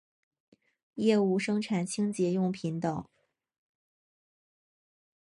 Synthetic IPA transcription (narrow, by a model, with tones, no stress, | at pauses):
jɛ˥˧u˥˩ʂɤ˥ŋʈ͡ʂʰa˨˩nt͡ɕʰi˥ŋt͡ɕjɛ˧˥jʊ˥˩ŋpʰi˧˥nt̪ɑ˨˩˦ʊ